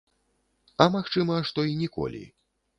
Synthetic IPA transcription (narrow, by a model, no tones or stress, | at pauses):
ɐmaxt͡ʂɨmɐʂt̪ɔinʲɛkɔ̰lʲḭ